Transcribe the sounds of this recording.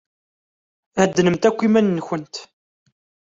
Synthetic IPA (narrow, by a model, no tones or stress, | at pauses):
æd̪ːnəmt̪ækʷːimænːəçənt̪